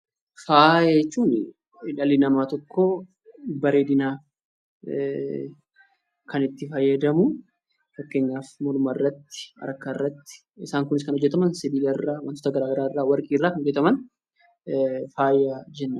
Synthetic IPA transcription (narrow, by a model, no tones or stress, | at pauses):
faːjt͡ʃːuːn | ɪᶑɐlɪnɐmaːt̪ɔkʰːo | bɐɾeːd̪ɪnaː | kʰɐnɪt̪ːɪfɐjːɐd̪ɐmʊ | fɐkːeːɲːaːfmɔlʊmaɪrːɐt̪ːɪ̥ɐ̰ɾɐkːaɪrːɐt̪ːɪ̥ | ɪsaːŋkʊnɪs̬kɐnɔd͡ʒːɛt̪ɐmɐnsɪbiːlɐɪrːaːwɐnt̪o̥ːt̪ɐɡɐɾaːɡɐɾaːɪrːaːwɐɾkʼiːrːaːkɐnɔd͡ʒːɛt̪ɐmɐn | faːjːaːd͡ʒɛnːɐ